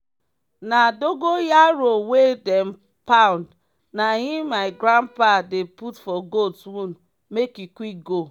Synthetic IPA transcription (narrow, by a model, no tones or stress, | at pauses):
nadoɡojaɾowedɛm | pãnd | najĩmaɪɡɾãnpadeputfɔɡodswũn | mekikwik̚ɡo